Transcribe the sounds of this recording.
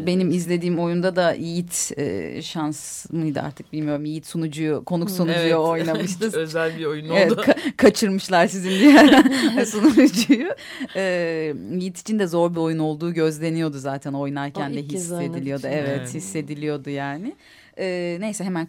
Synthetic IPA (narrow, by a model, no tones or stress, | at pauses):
be̞nimizlʲe̞d̪iːmo̞jund̪ad̪aʔijit̪ɛ̰ːʃansmɯjd̪ɯ̰a̰ɾt̪ʰɯ̥k̚bilʲmijo̞ɾumijit̪sunud͡ʒujukʰo̞nuksunud͡ʒujoojnamɯʃt̪ɯøzælʲbiojunevɛt̪kʰakʰat͡ʃʰɯɾmɯʃlˠaɾsizinb̪ijæɾd̪ɛnsunuud͡ʒuju | ɛːmijit̪i̥t͡ʃʰind̪ɛzo̞ɾbio̞juno̞lˠd̪uːɟø̞zlʲe̞nijo̞d̪uzaːt̪ʰæno̞jnaɾcʰænd̪ɛɦise̞d̪ilʲijo̞d̪uevɛt̪hisːe̞d̪ilʲijo̞d̪ujaːnɪ | ɛːne̞jsɛɦe̞mæn